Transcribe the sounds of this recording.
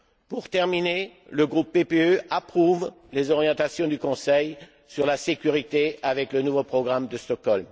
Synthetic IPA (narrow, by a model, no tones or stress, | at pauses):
puʁt̪ɛʁmineləɡʁupːepeøapχuv | lezɔʁjɑ̃t̪asjɔ̃d̪ykɔ̃sɛj | syʁlasekʲyʁit̪eavɛklənuvopχɔɡʁamd̪əst̪ɔkɔlm